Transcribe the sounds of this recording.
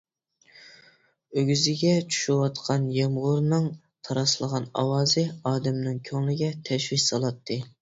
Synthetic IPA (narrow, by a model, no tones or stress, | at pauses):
øɡʲyzɪɡʲɛt͡ʃʰu̥ʃuwɑt̪qʰɑnjɛmʁʊɾnɨŋ | t̪ʰɑɾɑslˠəʁɑnɑ̰wɑːzɨɑːd̪ɛmnɪŋkʲʰøŋlɪɡʲɛt̪ʰɛʃwikʲsɑlˠɑt̪ʰːɨ